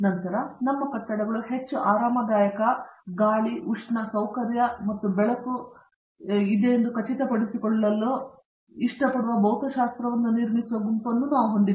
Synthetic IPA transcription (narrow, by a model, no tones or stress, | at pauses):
nɐnt̪ɐɾɐnɐmːɐkɐʈːɐɽɐɡɐɭuɦe̞t͡ʃːuʔaːɾaːmɐd̪aːjɐkɐɡaːɭiʔuʂɳɐsɐwkɐɾjɐmɐt̪ːubɛɭɐku | id̪ejend̪ukɐt͡ʃit̪ɐpɐɽisikoɭːɐlːu | iʂʈɐpɐɽuʋɐbɐwt̪ɐʃaːst̪ɾɐʋɐnːuniɾmisʋɐɡumpɐnːunaːʋuɦo̞ɳd̪id̪